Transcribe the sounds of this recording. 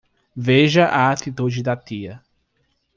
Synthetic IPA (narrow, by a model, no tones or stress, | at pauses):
veʒɐʔaat̪it̪ud͡ʒɪd̪at̪iɐ